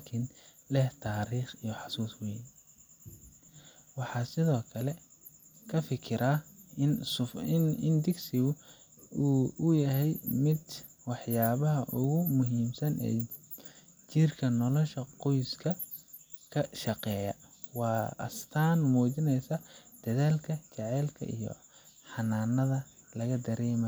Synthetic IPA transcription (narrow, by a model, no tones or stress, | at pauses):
lakʰɪnlɛht̪ʰaːɾiːχijɔħɑsuːswɛj | wɑħɑːsɪðɔːkʰɐlɛ | kʰɐfɪkʰɪɾʔaɪnsɪnɪnd̪ɪɡsɪɣʊuːʊjɐɦɛjmɪd̪ | wɑħjaːβɐɦɐʔʊɣʊmʊɦiːmsɐnʔɛ̰ː | t͡ʃirkʰɐnɔlɔʃɐqɔjskʰɐ | kʰɐʃɑqɛːjɐ̰wɑːɐ̰st̪ʰaːnmuːt͡ʃɪnɛjsɐd̪̥ɐðaːlkʰɐt͡ʃɑʕɛːlkʰɐ̰ʔḭjɔ̰ | ħɑnaːnːɐðɐ | lɐɣɐd̪ɐɾɛːmɐ